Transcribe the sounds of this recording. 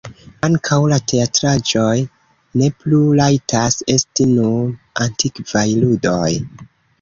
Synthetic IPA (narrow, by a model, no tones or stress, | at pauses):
aŋkʰawlate̞atɾad͡ʒo̞j | ne̞plulajtʰase̞stinu | antʰikv̥ajludo̞j